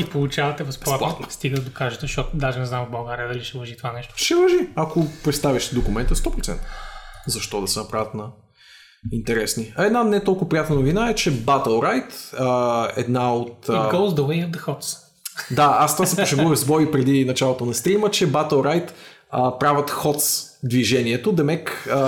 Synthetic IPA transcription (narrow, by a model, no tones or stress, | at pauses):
ipolˠut͡ʃavɐt̪ɛvɐsplˠat̪ˠat̪nst̪iɡəd̪d̪okaʒɛt̪ɛʃɔt̪ʊd̪aʒɛnɛznamvbɐlˠɡaɾijəd̪ɐliʃɛvɐʒit̪ovanɛʃt̪o̥ʃɛvɐʒiɐkopɾɛt̪st̪aviʃt̪d̪okʊmɛnt̪əst̪ɔpɾʊtsɛ̰nt̪əzɐʃt̪ɔd̪ɐsɛnɐpɾavʲət̪nɐ | int̪ɛɾɛsniɐɛd̪nanɛt̪ɔlˠkʊopɾijat̪nənovinaɛt͡ʃɛbat̪əlˠɾajt̪əɛ̰d̪naot̪ːɡolˠzd̪əvɐiɛd̪əxɔt̪s | d̪aast̪ovasɛpoʃɛɡɔɾəzbɔipɾɛd̪inɐt͡ʃalˠot̪onɐst̪ɾimət͡ʃɛbat̪əlˠɾajt̪əpɾavət̪xɔt̪sd̪viʒɛniɛt̪od̪ɛmɛkə